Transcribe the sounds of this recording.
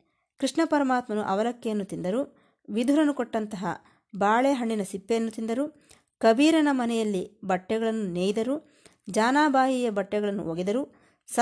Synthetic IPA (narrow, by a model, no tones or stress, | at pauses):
kɾiʂɳɐpɐɾɐmaːt̪mɐnuʔɐʋɐlɐkːɛjɐnːut̪ind̪ɐɾu | ʋid̪ʱuɾɐnukɔʈːɐnt̪ɐɦɐ̰ | baːɭeɦɐɳɖinɐsipːejɐnːut̪ind̪ɐɾu | kɐbiːɾɐnɐmɐnɛjɐlːibɐʈːɛɡɐɭɐnːuneːjid̪ɐɾu | d͡ʒaːnaːbʱaːɦijɐbɐʈːɛɡɐɭɐnːṵʔoɡed̪ɐɾuː | s